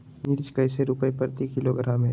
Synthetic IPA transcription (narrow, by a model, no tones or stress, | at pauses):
niɾt͡ʃkəɪseɾʊpəepəɾt̪ikɪloɡʱəɾamẽː